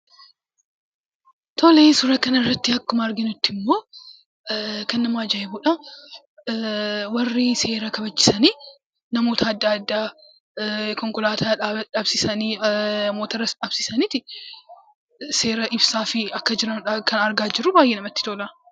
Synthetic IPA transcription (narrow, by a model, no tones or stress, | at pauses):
t̪ʰoːleːsʊɾɐkɐnɐɪrːɐt̪ːɪɐkːʊmɐɐɾɡɪnʊt̪ːɪmːo̞ː | kɐnːɐmaːd͡ʒɐʔɛbuᶑɐ | wɐrːɪse̞ːɾɐkɐbɐd͡ʒːɪ̥sɐni | nɐmo̞ːt̪ʰɐːd̪ːaːɐd̪ːaː | kɔŋkʊlaːt̪ʰaaːᶑɐbsɪsɐniɐmoːt̪ɐɾɐsᶑɐb̥sɪsɐnit̪ɪ | se̞ːɾɐʔɪbsaːfɪɐkːɐd͡ʒɪɾɐnʊᶑɐkɐnɐɾɡaːd͡ʒɪɾʊbaːjʔeːnɐmɐt̪ːɪ̥t̪olɐ